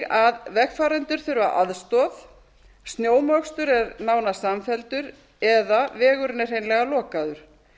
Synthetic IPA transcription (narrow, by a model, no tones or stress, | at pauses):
aðvɛxfaːɾɛnt̪ʏɾ̥θʏɾva̰ʔa̰ðst̪ɔθ | st̪njoːwmœkst̪ʏɾɛɾnaːwnasamfɛlt̪ʏɾ | ɛðavɛːɣʏɾnɛr̥hejnlɛɣalɔːkaðʏɾ̥